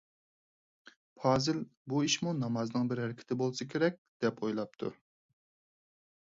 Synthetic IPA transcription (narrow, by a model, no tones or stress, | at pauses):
pʰɑːzɪlbuiʃmunɑmɑznɨŋbɪɾɦɛɾɪkʲʰɪ̥t̪ʰɪbolˠsɨkʲʰeɾɛk̚ʲd̪̥ɛpojlˠɑp̚t̪ʰṵ